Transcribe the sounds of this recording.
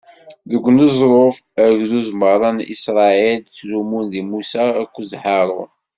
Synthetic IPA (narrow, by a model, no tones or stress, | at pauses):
ðəɡʷːnəzˤɾˤof | əɾkðuzməʁɾˤɑnḭsɾˤɑilt͡slumunðimusæækʷːuzħɑɾˤʊ̰